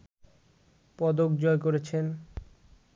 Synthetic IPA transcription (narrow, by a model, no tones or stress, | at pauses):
pɔd̪ok̚d͡ʑɔekoɾet͡ɕʰen